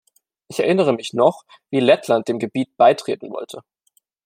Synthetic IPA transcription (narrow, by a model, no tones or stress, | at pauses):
ʔɪçɛɐʔɪnəʁ̞əmɪçnɔχ | viːlɛtʰlant̚d̥eːmɡəbiːt̚b̥aɪtʁ̥eːtn̩vɔ̰ltʰə